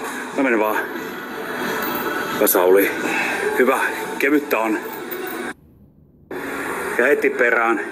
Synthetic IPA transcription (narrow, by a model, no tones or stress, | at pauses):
ɑmenʋɑː | kɑsɑolihyʋækeʋyt̪ːæon | jɑhet̪ːipperæːn